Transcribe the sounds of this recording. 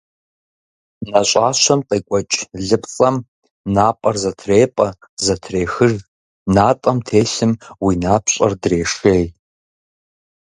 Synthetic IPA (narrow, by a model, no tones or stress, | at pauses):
naɕʷʼaʃʷamqʼikʷʼat͡ʃʼɮɨpʰʼt͡sʼam | napʼarzatʰrejpʼa | zatʰrejxɨʐ | natʼamtʰejɬɨmwinapʰɕʷʼa̰rdreːʂej